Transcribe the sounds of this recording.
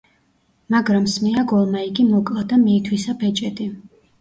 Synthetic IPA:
maɡɾamsmɛaɡɔlˠmaiɡimɔkʼlad̪amiːt̪ʰwisapʰɛt͡ʃʼɛd̪ʼi

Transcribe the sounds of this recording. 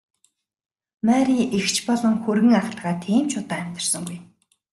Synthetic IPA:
mæɾiʔext͡ɕpɔɮɞ̆ŋxɵrɣɘ̆ŋaχ̆ɮʁaːt̪ʰiːmt͡ɕʰʊt̪aːæm̥ʲt̪ə̆r̥sɞ̆ŋɡuj

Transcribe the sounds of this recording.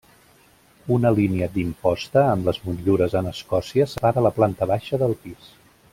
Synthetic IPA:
unəliniəd̪impɔst̪əːmləzmunʎuɾəzənəskɔsiəsəpaɾələplant̪əβaʃəðəlˠpis

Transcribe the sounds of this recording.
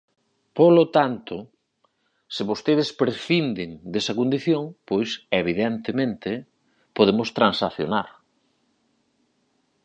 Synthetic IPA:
polot̪ant̪ʊ | sɪβost̪eð̞ɪspɾeθind̪ɪŋd̪esɐkond̪iθjoŋpojseβiðɛnt̪emẽnt̪ɪ | poðemʊst̪ɾansaθjo̰naɾ

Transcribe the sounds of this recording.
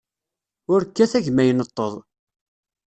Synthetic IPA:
ʊɾkːæθæʝmæjənət̪ˤːəðˤ

